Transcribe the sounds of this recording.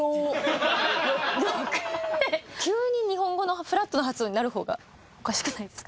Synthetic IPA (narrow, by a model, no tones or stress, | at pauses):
o | d̪okekʲɨːɲ̟iɲ̟iɦõ̞ŋɡo̞no̞ɸɯ̟ɾat̪ːonoat͡sɨoːɲinaɾɯ̟ɦo̞ːɡa̰ | okaɕi̥kɯ̟naid̪e̞sɨ̥ka